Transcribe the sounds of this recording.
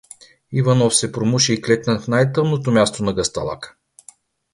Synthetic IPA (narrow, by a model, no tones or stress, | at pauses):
ivanɔfsɛpɾomuʃɛiklɛt̪nəfnajt̪ɤmnot̪omʲjast̪onɐɡɐst̪ɐ̰lˠa̰kə̥